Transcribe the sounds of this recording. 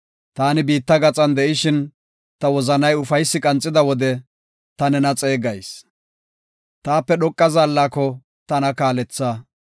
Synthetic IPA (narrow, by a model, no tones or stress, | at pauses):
t̪aːnɪbiːt̪ːɐɡɐt͡sʼɐnd̪ɛʔɪʃɪn | t̪ɐwɔzɐnɐjʊfɐjsːɪkʼɐnt͡sʼːɪd̪ɐwɔd̪ɛ | t̪ɐnɛnɐt͡sʼe̞ːɡɐjs | t̪aːpːɛɗɔkʼːɐzaːlːaːkːɔ | t̪ɐnɐkaːlɛt͡sːaː